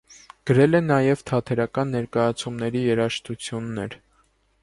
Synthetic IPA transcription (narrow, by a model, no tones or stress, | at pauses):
ɡ̥əɾɛlɛnɑjɛvt̪ʰɑt̪ʰɛɾɑkɑnːɛɾkɑjɑt͡sʰumnɛɾijɛɾɑʃt̪ut͡sʰjunːɛɾ